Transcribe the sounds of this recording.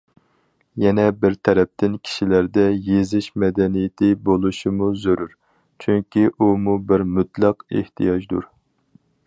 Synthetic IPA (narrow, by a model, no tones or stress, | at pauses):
jɛnɛbɪɾt̪ʰɛɾɛp̚t̪ʰɪnkʲʰi̥ʃilæɾd̪ɛjezɪʃmɛd̪ɛnijɪt̪ʰɪbolˠuʃimuzøɾuɾ | t͡ʃʰyŋkʲʰiʔumubɪɾmut̪lˠɑqḛht̪ʰijɑd͡ʒd̪ṵɾ